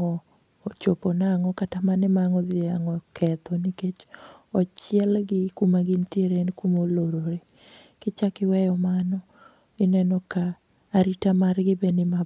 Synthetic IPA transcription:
ɔː | t͡ʃoponaŋɔkatamanɪmaŋɔðaŋɔkʰɛt̪ɔniket͡ʃɔt͡ʃɪjɛlɡɪkumaɡintieɾenkumoloɾoɾe | kɪt͡ʃakɪwɛjɔmanɔ | ɪnɛnɔkaː | ɾitamarɡɪbenɪma

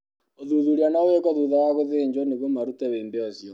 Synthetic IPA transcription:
oðuðuɾianaowekɔðuðawaɣoðeɲd͡ʒɔneɣomaɾutɛβeːmbeɔsjɔ

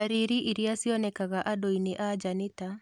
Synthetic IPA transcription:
aɾiɾiʔiɾiasiɔnɛkaɣaʔadoineʔad͡ʒaneta

